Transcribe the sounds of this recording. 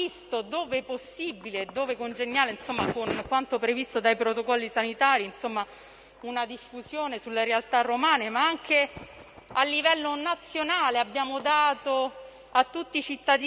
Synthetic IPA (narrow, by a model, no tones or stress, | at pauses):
ist̪od̪oːveposːibileːd̪ːoːvekond͡ʒenːjaːleinsomːakonkwant̪opɾevist̪od̪ajpɾot̪okɔlːisanit̪aːɾiinsomːa | unad̪ifːuzjoːnesulːeɾealt̪arːomaːnemaaŋk̟e | alːivɛlːonat̪sːjonaːleabːjaːmod̪aːt̪o | at̪ːut̪ːit͡ʃit̪ːad̪